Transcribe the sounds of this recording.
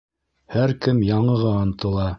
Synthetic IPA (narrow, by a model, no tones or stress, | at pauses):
hæɾkɘmjɑɴɤ̆ʁɑɑnt̪ɤ̆lˠɑ